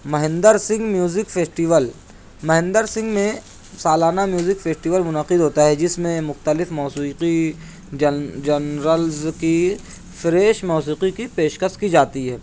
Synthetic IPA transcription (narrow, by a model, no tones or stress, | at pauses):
mɐɦɪ̃nd̪əɾsɪ̃ŋɡmjuːzɪkfʰeːsʈiːʋəl | mɐɦɪ̃nd̪əɾsɪ̃ŋɡmẽ | saːlaːnamjuːzɪkfʰeːsʈiːʋəlmʊnəqɪd̪ʱɦoːt̪aɦɛd͡ʒɪsmẽmʊxt̪əlɪfmɔːsiːqi | d͡ʒɐnɾəlzki | fɪɾeːʃmɔːsiːqikipeːʃkəst̪kid͡ʒaːt̪iɦɛː